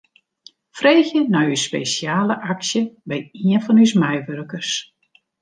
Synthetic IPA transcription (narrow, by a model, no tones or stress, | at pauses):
freːxjənajyspḛːsjaːləʔaksjəbɛjiənfɔnysmɛjʋørkərs